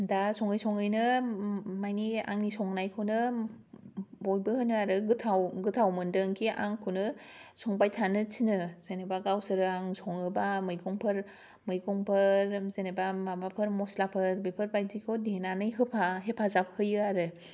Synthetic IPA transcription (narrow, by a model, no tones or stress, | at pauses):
dasɔŋɯjsɔŋɯjnɯ | majnia̰ŋnisɔŋnajkʰɯwnɯ | bɔjbɯhɯnɯaɾɯɡɯtʰawɡɯtʰawmɯndɯŋkʰiʔa̰ŋkʰɯwnɯ | sɔŋbajtʰanɯt͡ʃʰinɯz̥enebaɡawsɯɾɯaŋsɔŋɯbamɯjɡɔŋpʰɯɾ | mɯjɡɔŋpʰɯɾzenebamabapʰɯɾmɔslapʰɯɾbepʰɯɾbajdikʰodenanɯjɦɯpʰaɦepʰazap̚hɯjɯaɾɯ